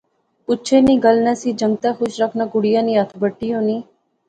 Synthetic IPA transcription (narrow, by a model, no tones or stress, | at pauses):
pʊtːt͡ʃʰeniːɡəlnasid͡ʒə̃ŋɡ̚t̪axʊʃɾəkʰnaɡʊɽijãːnĩət̪ʰbəʈːiõːniː